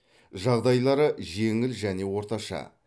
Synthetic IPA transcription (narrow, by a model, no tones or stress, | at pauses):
ʒɑʁd̪ɑjlˠɑɾəʒe̞ŋɪlʒæne̞wo̞ɾt̪ɑʃɑ̰